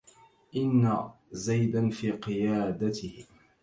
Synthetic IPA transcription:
ʔɪnːazajd̪anfiːqɨjaːd̪at̪ɪh

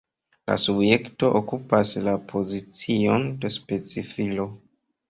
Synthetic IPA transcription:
la̰subje̞kto̞ʔokupaslapʰo̞zit͡sio̞nde̞spe̞t͡sifilo̞

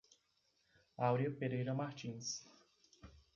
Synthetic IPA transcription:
awɾiɐpeɾejɾɐmaɾt͡ʃĩs

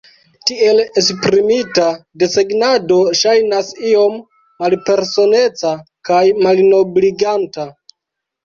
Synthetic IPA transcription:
tie̞lespɾimitade̞seɡnado̞ʃajnasio̞mː | alpe̞ɾso̞ne̞t͡sa | kajmalno̞bliɡanta

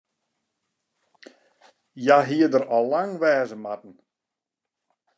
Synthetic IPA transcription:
jaɦiədəɾɔlaŋʋɛːzəmatn̩

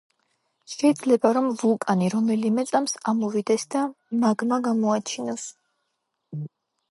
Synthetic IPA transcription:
ʃɛid̪zlɛbaɾɔmvukʼaniɾɔmɛlimɛt̪sʼamsamɔvid̪ɛsd̪a | maɡmaɡamɔat͡ʃʰinɔs

